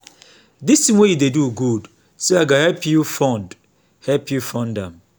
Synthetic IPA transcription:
disĩnwejideduɡud | seaɡahɛpjufɔ̃nd | hɛlpʰjufɔ̃ndɛ̃m

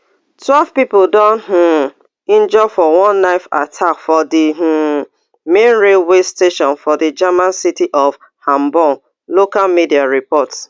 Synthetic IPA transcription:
twɛlv̥pipoldɔ̃nɦũ | ĩnd͡ʒɔfɔwɔ̃nːaɪfa̰tʰakfɔdiɦu | mẽnɹelwesteʃɔ̃nfɔdid͡ʒamãnsitiʔɔf | hãmbɔn | lokalmidiaɹipɔts

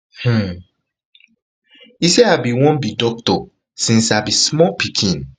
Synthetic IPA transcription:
h̩ | isiabiwɔ̃nbidɔk̚tɔ | sĩnsabismɔlpʰikʰĩn

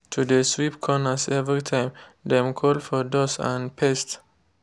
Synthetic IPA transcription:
t̪ʰudeswipkʰɔnəsɛvɹit̪ʰãɪmd̪ɛ̃mkʰɔlfɔdɔsã̰npʰɛst

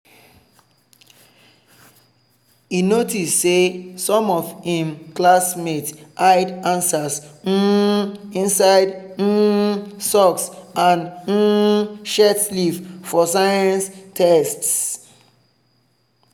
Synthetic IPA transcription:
inotissesɔ̃mɔvhĩmklasmetʔaɪdãnsasn̩ | ĩnsaɪd̩ | sɔksãn̩ | ʃɛtsliffɔsaɪãnstʰɛsts

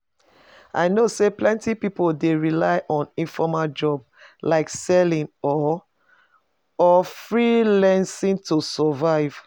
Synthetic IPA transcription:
a̰ɪnoseplɛ̃ntipipoldeɹilaɪʔɔ̃nĩnfɔmald͡ʒɔb | laɪksɛlĩnɔ | ɔfɹilɛ̃nsĩntosɔvaɪv̥

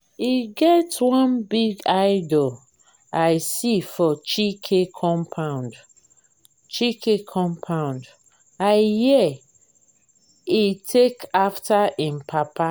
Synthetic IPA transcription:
iɡɛtwɔ̃nbiɡaɪdol | aɪsifɔt͡ʃikʰekʰɔ̃mpʰãʊ̃nd | t͡ʃikʰekʰɔ̃mpʰãʊ̃nd | aɪjɛ | itʰekaftʰaʔĩmpʰapa

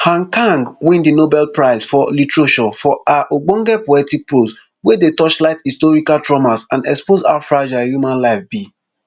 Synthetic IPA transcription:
hãŋkãŋɡwĩndinobɛlpɹaɪzfɔlitɹoʃɔfɔaʔoɡ͡bɔ̃ŋɡɛpoɛtipɹoz | wɛdetɔt͡ʃlaɪtistɔɹikaltɹɔmasãndɛkspoza̰fɹad͡ʒajumãnlaɪfb̥i

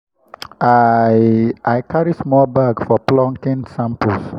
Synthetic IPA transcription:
a | ʔajkʰaɹismɔlbaɡfɔplɔ̃ŋkĩnsãmpəs

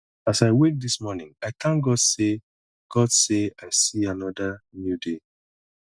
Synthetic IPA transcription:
asaɪwek̚dismɔnɪ̃ŋaɪt̪ʰãnɡɔd̥se | ɡ̥ɔd̥seaɪsianɔdanjude

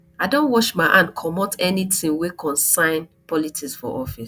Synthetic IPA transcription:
adõnwɔʃmaɪʔãnkʰɔmɔtɛnitĩnwekʰɔ̃nsãɪ̃npɔlitʰiksfɔ̰ʔɔfis

